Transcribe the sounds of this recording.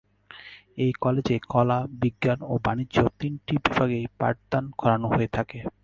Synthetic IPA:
ejkɔled͡ʑekʰɔlabiɡːanobaniːʑot̪inʈibibaɡejpa̰ʈd̪ankʰɔɾanoɦoet̪ʰake

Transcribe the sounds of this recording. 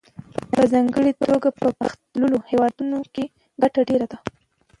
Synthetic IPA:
azɑŋɡəɽit̪ɾoɡapəpaxt̪ləlohewɑd̪unoke | ɡaʈaɖeɾad̪a

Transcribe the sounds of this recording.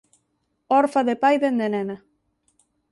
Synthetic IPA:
ɔɾfaðepajðend̪enena

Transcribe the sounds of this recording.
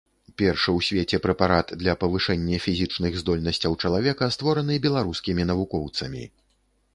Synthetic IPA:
pʲɛrʂɨwsʲvʲet͡sʲɛpɾɛpaɾat̪d̪lʲɐpɐvɨʂɛnʲːɛfʲizʲɨt͡ʂnɨɣzd̪ɔlʲnɐsʲt͡sʲɐwt͡ʂɐlˠavʲɛkɐst̪vɔɾɐnɨbʲɛlˠaɾuskʲimʲinɐvukɔwt̪sɐmʲḭ

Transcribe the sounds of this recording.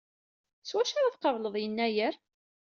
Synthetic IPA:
swæʃaɾaðqəvləðˤjənːæjəɾ

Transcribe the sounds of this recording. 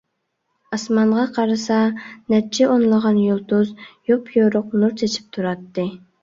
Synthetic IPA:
ɑsmɑɴʁɑqʰɑɾɨsɑnɛt͡ʃʰɪʔonlˠəʁɑnjolˠt̪uzjopʰjoɾʊqnuɾt͡ʃ̪ʰet͡ʃʰi̥p̚t̪ʰuɾɑt̪ːɨ

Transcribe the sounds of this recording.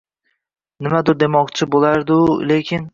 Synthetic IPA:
nɪmad̪ʊɾd̪e̞mɒqt͡ʃʰɪbolaɾd̪ʊle̞kʲʰɪn

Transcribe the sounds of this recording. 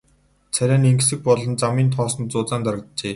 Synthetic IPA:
t͡sʰæɾʲæːniŋksɘ̆k̚pɔɮɞ̆nt͡samiːnt̪ʰɔːsɞ̆nt͡sʊːt͡saːnt̪aɾə̆k̚t̪t͡ɕeː

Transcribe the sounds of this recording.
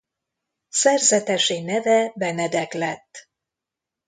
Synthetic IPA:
sɛrzɛt̪ɛʃeːnɛvɛbɛnɛd̪ɛklɛt̪ː

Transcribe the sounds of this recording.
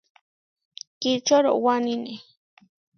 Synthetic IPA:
kit͡ʃoɾo̰wanine

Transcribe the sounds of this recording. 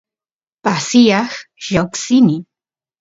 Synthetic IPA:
pasɪjɑχʒoksɪnɪ

